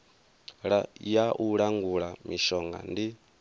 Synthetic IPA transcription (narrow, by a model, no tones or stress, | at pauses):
ɺajaʔuɺaŋɡuɺamiʃɔŋɡa̰ndi